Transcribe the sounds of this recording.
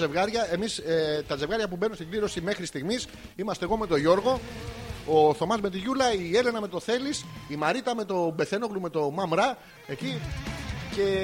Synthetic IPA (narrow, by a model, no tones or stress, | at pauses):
evɣɐɾʝɐe̞miset̪ɐze̞vɣɐɾʝɐpube̞numst̪iɡliɾo̞sime̞xɾist̪iɣmis | imɐst̪eɣo̞me̞t̪o̞ʝo̞ɾɣo̞ | oθo̞mɐzme̞t̪̬iʝulɐie̞le̞nɐme̞t̪o̞θe̞lisimɐɾit̪ɐme̞t̪o̞be̞θe̞no̞ɣlume̞t̪o̞mɐmɾɐ | e̞ci | ce̞